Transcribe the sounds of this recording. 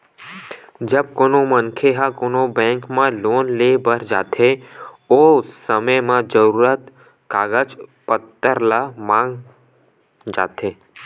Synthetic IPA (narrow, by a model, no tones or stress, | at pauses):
d͡ʒəb̚koːnomənkʰeɦãkoːnobɛ̃ːŋkmãloːnleːbəɾd͡ʒaːt̪ʰe | oːsəməjmãd͡ʒəɾuːɾət̪ | kaːɡəd͡ʒpət̪ːəɾlamãːŋɡ | d͡ʒa̰ːt̪ʰeː